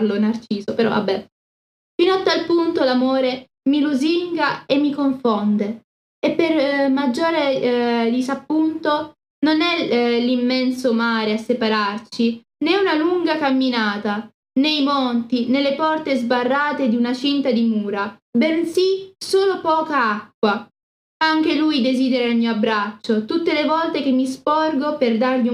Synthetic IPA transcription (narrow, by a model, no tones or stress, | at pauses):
lonart͡ʃiːzopeɾɔ̰a̰bːɛ | finoat̪ːalpunt̪olamoːɾe | miluziŋɡaemːikoɱfond̪e | epːermad͡ʒːoːɾed̪isapːunt̪o | nonɛlimːɛnsomaːɾeasːepaɾart͡ʃi | neunaluŋɡakamːinaːt̪a | nejmont̪inelːepɔrt̪ezbarːaːt̪ed̪iunat͡ʃint̪ad̪imuːɾabensisoːlopɔːkaakːwa | aŋk̟elujd̪eziːd̪eɾailmioabɾat͡ʃːot̪ut̪ːelevɔlt̪ek̟emːispɔrɡoperd̪arʎi